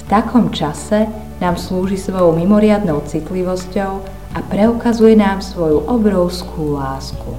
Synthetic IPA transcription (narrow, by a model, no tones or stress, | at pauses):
ft̪akʰɔmt͡ʃasɛ | naːmsluːʒisʋɔjɔʊmimɔɾɪad̪nɔʊt͡sit̪liʋɔscɔʊ | ʔapɾɛukazujɛnaːmsʋɔjuʔɔbɾɔʊskʰuːlaːsku